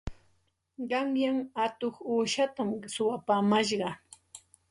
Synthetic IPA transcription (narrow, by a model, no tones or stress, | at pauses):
ɢɑŋjaŋat̪oχuːʃat̪amsʊwapaːmaʃɢɑ